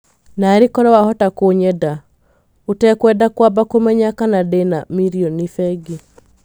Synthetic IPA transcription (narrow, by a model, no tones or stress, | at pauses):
naːɾikɔɾɛwahɔtakoɲɛda | otɛkwɛdakwabakomɛɲakanadenamiɾiɔnifɛɡi